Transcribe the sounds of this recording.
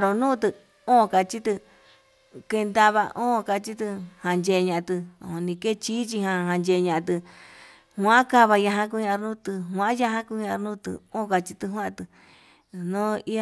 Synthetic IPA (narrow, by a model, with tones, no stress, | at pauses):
ɾo˧nũː˦˧t̪ɨ˧ | õ˦˧ka˧t͡ʃi˦t̪ɨ˧ | ke˧nd̪a˧βa̰˧ʔõ˦˧ka˧t͡ʃi˦t̪ɨ˧hã˧nd͡ʒe˧ɲã˧t̪ɨ˧˨õ˧nĩ˧ke˦t͡ʃiː˦t͡ʃi˧hã˧ɦã˧nd͡ʒe˧˨˧ɲã˧t̪̬ɨ˧ | hw̃ã˦ka˦βa˧ja˧ɦã˧k̬u˧ɲã˧ɾnũ˦t̪ɨ˧ɦw̃ã˧˦ja˧ɦã˦ku˧ɲã˧nũ˦t̪ɨ̰˧õ˦˨˧ka˧t͡ʃi˧t̪ɨ˧ɦã˦˧t̪ɨ˧ | nõ˦i˦a˧